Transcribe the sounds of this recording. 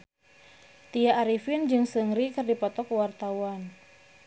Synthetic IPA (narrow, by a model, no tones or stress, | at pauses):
t̪ijaʔːɾifɪnd͡ʒɨŋsəŋɾikɨrdipɔt̪ɔkəwart̪awan